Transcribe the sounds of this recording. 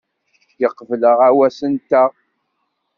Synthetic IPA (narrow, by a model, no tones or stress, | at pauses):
jəqːvləʁæwæsənt̪æ